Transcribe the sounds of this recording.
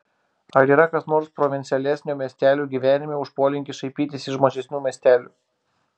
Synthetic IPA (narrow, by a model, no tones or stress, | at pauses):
ɐɾiːɾɐkɐsnoːɾspɾɔʋʲɪnʲt̪sʲɪɛlʲɛsʲnʲoːmʲeɛsʲt̪ʲæːlʲuːɡʲiːʋʲæːnʲɪmʲeʊʃpoːlʲɪŋʲkʲɪʃɐɪpʲiːt̪ʲɪsʲɪʃmoːʒʲɛsʲnʲuːmʲiɛsʲt̪ʲæːlʲuː